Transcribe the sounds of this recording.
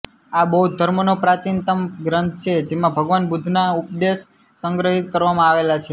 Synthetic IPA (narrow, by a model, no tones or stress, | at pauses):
abəɦud̪ʱəɾmonopɾat͡ʃint̪əmɡɾə̃nt̪̚ʰt͡ʃʰed͡ʒemãbʱəɡʋanbud̪ʱnaupd̪es | səŋɡɾəɦit̪̚kəɾʋamãaʋelat͡ʃʰe